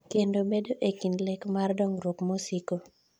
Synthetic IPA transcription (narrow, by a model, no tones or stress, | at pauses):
kendobedoʔekinlɛkmardɔŋɾwokmosiko